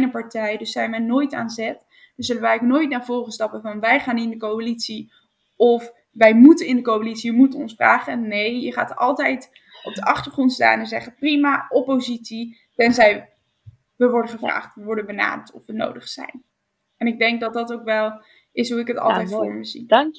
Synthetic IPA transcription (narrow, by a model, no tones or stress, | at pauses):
nəpɑɹtɛjdɵsːɛjnʋɛjnoːjta̰ːnzɛt | d̥əsz̥ɵlənʋɛjknoːjtnaːɹvoːrəstɑpəvɑnʋɛjχaːnɪndəkowalitsi | ɔf | ʋɛjmutənɪndəkowalitsijəmutəɔnsfra̰ːχənejjəχa̰ːtɑ̰lˠtɛjt | ɔb̚dəɑχtəɹχrɔntsta̰ːnɛnzɛ̰χəprimaːɔpowzitsi | tɛnzɛj | ʋəʋɔɹdəχəvra̰ːχtʋəʋɔɹdənbəna̰ːdəɹtɔfʋəno̰wdəχsɛ̰jn | ɛnɪɡ̚dɛŋk̚dɑt̚dɑtowkʋɛlˠ | ʔɪsɦuɪkətɑ̰lˠtɛjtfʊːɹməzḭ